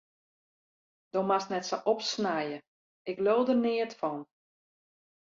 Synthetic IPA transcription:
d̥omasnɛtsoʔɔpsnajə | ɪkloːdənɪətfɔn

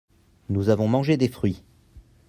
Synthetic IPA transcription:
nuzavɔ̃mɑ̃ʒed̪efχɥi

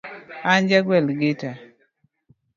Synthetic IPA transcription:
aɲd͡ʒaɡwɛlɡɪta

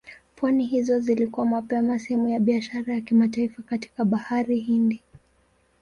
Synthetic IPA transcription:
pwaniɦizɔzilikuwamapɛmasɛhɛmujaɓiaʃaɾajakimataifakati̥kaɓahaɾiɦindi

